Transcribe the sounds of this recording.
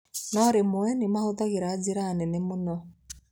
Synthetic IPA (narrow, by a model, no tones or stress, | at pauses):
nɔɾemwɛnemahoðaɣeɾaziɾaːnenemonɔ